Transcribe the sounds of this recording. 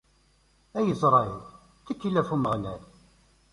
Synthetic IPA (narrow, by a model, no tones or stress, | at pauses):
æjəzˤɾˤɑil | θikːilːæfuməʁnæl